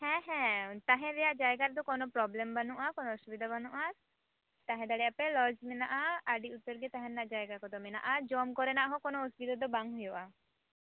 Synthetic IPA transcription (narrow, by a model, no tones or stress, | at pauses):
hɛ̃ɦɛ̃t̪aɦɛ̃ɾɛjaʔd͡ʒajɡaɾd̪ɔkɔnopɾɔblembanuʔakɔnoɔʃubid̪ʱabanuʔa | t̪aɦɛ̃d̪aɽɛapelɔd͡ʒmɛnaʔaaɖiut̪ːɔɾɡet̪aɦɛɾnaʔd͡ʒajɡakɔd̪ɔmɛnaʔad͡ʒɔmkɔɾenaʔɦɔkɔnoosbid̪ad̪ɔbaŋɦujoʔa